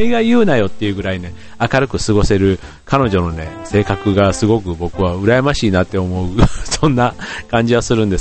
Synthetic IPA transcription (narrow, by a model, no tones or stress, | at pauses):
iɡajɯ̟ːnajo̞t̪ːe̞jɯ̟ːɡɯ̟ɾaine̞ | akaɾɯ̟kɯ̟sɨɡo̞se̞ɾɯ̟ | kano̞ʑo̞no̞ne̞se̞ːkakɯ̟ɡasɨɡo̞kɯ̟bo̞kɯ̟βaɯ̟ɾajamaɕiːnat̪ːe̞o̞mo̞ɯ̟sõ̞nːakãɲ̟d͡ʑiβasɨɾɯ̟̃nd̪e̞s